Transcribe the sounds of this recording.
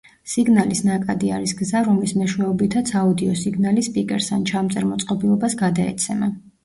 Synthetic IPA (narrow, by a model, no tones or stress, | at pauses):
siɡnalisnakʼad̪iaɾisɡzaɾɔmlismɛʃwɛɔbit̪ʰat̪sʰaud̪iɔsiɡnalispʼikʼɛ̰ɾsant͡ʃʰamt̪sʼɛɾmɔt̪sʼqʼɔbilˠɔbasɡad̪aɛ̰t̪sʰɛma